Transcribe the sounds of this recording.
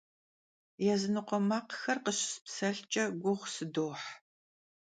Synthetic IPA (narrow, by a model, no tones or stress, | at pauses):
jɛzɨnɨqʷɔmaːqxɐrqəɕspsɐɬt͡ʃʼɐɡʷʊʁʷsɨdoːħ